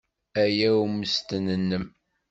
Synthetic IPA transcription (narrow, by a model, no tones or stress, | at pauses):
æjæuməst̪ənənːəm